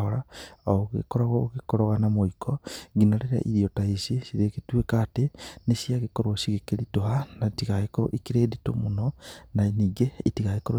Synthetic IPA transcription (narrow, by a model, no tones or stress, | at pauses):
oɾaooɣḛkoɾaɣoɣekoɾoɣanamoikʰɔɡinaɾeɾa̰ʔiɾiotaisisiɾeketwekatenesiaɣekoɾwoʃiɣekelitohanatiɣaekoɾo̰ʔikiɾeːdito̰mononaniːɡeːtiɣaekoɾo